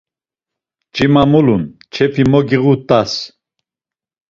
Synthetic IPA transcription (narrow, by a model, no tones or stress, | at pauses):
d͡ʒʼimamulunt͡ʃʰɛpʰimɔɡiɣut̪ʼas